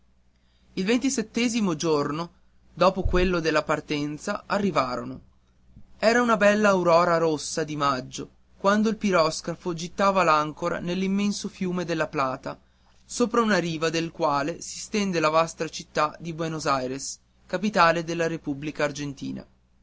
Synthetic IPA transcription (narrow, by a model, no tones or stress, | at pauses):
ilvent̪iset̪ːɛːzimod͡ʒorno | d̪ɔːpokwelːod̪elːapart̪ɛnt̪saʔarːivaːɾono | ɛːɾaunabɛlːaːuɾɔːɾaɾosːad̪imad͡ʒːo | kwand̪oilpiɾɔskɾafod͡ʒit̪ːaːvalaŋkoɾa̰nelːimːensofjuːmed̪elːaplaːt̪a | soːpɾaunaɾiːvad̪elkwaːlesi̥st̪ɛnd̪elavast̪ɾat͡ʃit̪ːad̪ibwenozajɾes | kapit̪aːled̪elːaɾepublikaːrd͡ʒent̪ḭːna̰